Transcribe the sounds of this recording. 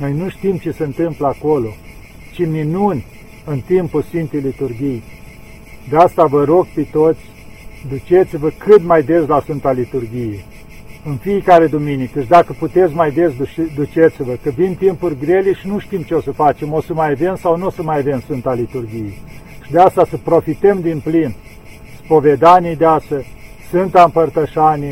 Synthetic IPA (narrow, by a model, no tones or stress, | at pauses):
no̞jnuʃt̪imt͡ʃe̞səɨnt̪ɨmpləakolo̞ | t͡ʃiminunʲ | ɨnt̪impulsfint̪ejlit̪urɡʲij | d̪east̪avəɾo̞ɡ̚pet̪o̞t̪sʲ | d̪ut͡ʃe̞t̪sivəkɨt̪majd̪eslasunt̪alit̪urɡʲije | ɨnfijekaɾe̞d̪uminikət͡ʃd̪akəput̪e̞t̪s̬ʲmajd̪esd̪ut͡ʃet̪sivəkəvimt̪impurʲɡɾe̞leʃinuʃt̪imt͡ʃeosəfat͡ʃe̞mo̞səmajave̞msawnosəmajave̞msɨnt̪alit̪urɡʲije | ʃid̪east̪asəpɾo̞fit̪emd̪implin | spo̞ve̞d̪anʲijd̪easə | sɨnt̪ampərt̪əʃani